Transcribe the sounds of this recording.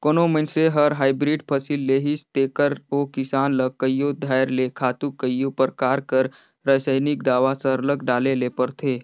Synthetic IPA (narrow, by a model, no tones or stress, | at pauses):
koːnomənseɦəɾɦaːɪbɾiɖpʰəsilːeːɦist̪eːkəɾokɪsaːnləkːəjjod̪ʱajɾlekʰaːt̪ukːəjopəɾkaːɾkəɾ | ɾəsəjnikd̪aːʋasəɾləkɖaːlelepəɾt̪ʰeː